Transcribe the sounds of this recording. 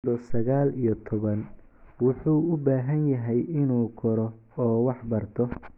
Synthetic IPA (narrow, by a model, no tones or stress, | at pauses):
ɔsɐɣaːlijɔt̪ʰɔβɐn | wʊħuːʊbaːɦɐnjɐɦɛjɪnuːkʰɔɾɔ | ɔːwɑħbɐrt̪ʰɔ